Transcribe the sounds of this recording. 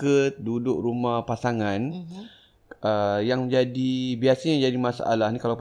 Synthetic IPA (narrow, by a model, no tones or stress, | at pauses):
kət̪̚dudʊk̚ɾumahpasaŋãn | ʔəjaŋd͡ʒadibiasaɲad͡ʒadimãsa̰ʔa̰lahnikalap